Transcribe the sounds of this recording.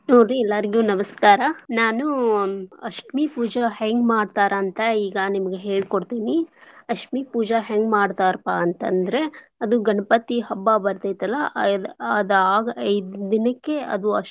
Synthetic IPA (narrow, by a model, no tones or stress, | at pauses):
noːɾːiɛlːaɾiɡjunɐmɐskaːɾɐnaːnu | ɐʃʈmipuːd͡ʒɐɦaŋɡmaːɖt̪aːɾʔɐːnt̪ɐiːɡɐnimɐɡeɦeːɭkoɽt̪iːniɐkmipuːd͡ʒɐɦaŋɡmaːɖt̪aːɾpaːɐnt̪ɐ̰nd̪ɐɾe̞ɐd̪uɡɐnɐpɐt̪iɦɐbːabɐɾt̪ɐjt̪ɐlːɐɐd̪ɐaːɡɐɐjd̪d̪inɐkːe̞ɐ̰d̪uɐʂ